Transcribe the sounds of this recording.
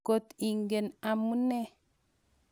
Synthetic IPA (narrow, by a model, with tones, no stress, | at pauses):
ko˨t̪i˨ŋɡe˨na˨mu˦ne˦